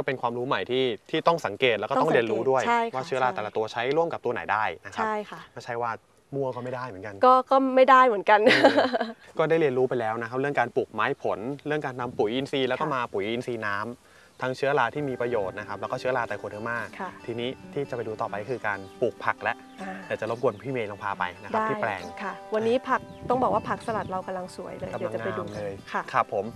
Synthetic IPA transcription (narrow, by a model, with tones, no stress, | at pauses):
kɔː˥˩pe˧nkʰwaː˧mɾuː˦˥ma˨˩jt̪ʰiː˥˩t̪ʰiː˥˩t̪ɔ˥˩ŋsa˩˦ŋkeː˨˩lɛ˦wkɔː˥t̪ɾi˧ənɾuː˦˥du˥˩əjʰa˥˩jwaː˥˩t͡ɕʰɯ˦˥ɐ˧laː˧ɛː˨˩la˨˦t̪u˧ɐt͡ɕʰa˦˥jɾu˥˩əmka˨˩p̚t̪u˧ɐna˩˦jdaː˥˩jna˦˥t͡ɕʰa˥jkʰa˥maː˧˥˩t͡ɕʰa˦˥jwaː˥˩ | mu˧ɐkɔː˥˩ma˥˩jdaː˥˩jmɯ˩˦nka˧nkɔː˥˩kɔː˥˩ma˥˩jdaː˥˩jmɯ˨˩˦ənka˧n | kɔː˥˩daː˥˩jli˧ənɾuː˦˥pa˧jlɛː˦˥wna˦˥kʰa˦˥p̚ɾɯ˥˩əŋkaː˧npuː˨˩k̚maː˦˥jpʰo˩˦nɾɯ˥˩əŋkaː˧nt̪ʰa˧mpu˨˩˦jʔi˧nsiː˧lɛː˦˥kɔː˥˩maː˧pu˨˩˦jʔi˧nsiː˧naː˦˥m | t̪ʰaː˦˥ŋt͡ɕʰɯ˦˥ɐlaː˧t̪ʰiː˥˩miː˧pɾa˧joː˨˩t̪̚na˦˥kʰa˦˥p̚lːwkɔː˥˩t͡ɕʰɯ˦˥ɐ˧laː˧t̪aː˨˩kʰo˧nʔɯː˥˩maː˥˩a˥˩t̪ʰiː˧niː˦˥t̪ʰiː˥˩t͡ɕa˨˩pa˧jduː˧t̪ɔː˨˩pa˧jkɔ˥kʰɯː˧kaː˧npuː˨˩k̚pʰa˨˩k̚lɛ˦˥ʔ | a˧di˨˩t͡ɕa˨˩lo˦˥˩mku˧˩ənpʰiː˥˩meː˧lo˧ŋpʰaː˧pa̰˧jna˦˥kda˦aː˥˩iː˥plɛ̰ː˨˩ŋkʰa˥˩wa˧nːiː˦˥pʰa˦˥˩k̚t̪ɔ˥˩ŋbɔː˨˩k̚waː˥˩pʰa˨˩k̚sa˧la˨˩t̪̚ɾa˧wka˧mla˧ŋsu˨˩˦əjlɤː˧a˧mː˨˩a˧˨a˨ŋːnapa˧jdu˧˩mlɤː˧jkʰa˥˩kʰa˦˩pʰːo˨˩˦m